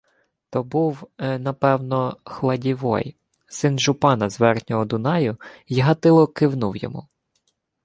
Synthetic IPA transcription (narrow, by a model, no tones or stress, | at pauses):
t̪ɔbuwnɐpɛwnɔxlˠɐdʲiʋɔ̰j | sɪnʒʊpɑnɐzʋɛrtnʲɔɔd̪ʊnɑjʊiɦɐt̪ɪlˠɔkɪwnuwjɔ̰mṵ